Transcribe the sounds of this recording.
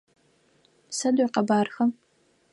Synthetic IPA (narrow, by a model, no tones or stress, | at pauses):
sɐdaqɑbaːrxɐm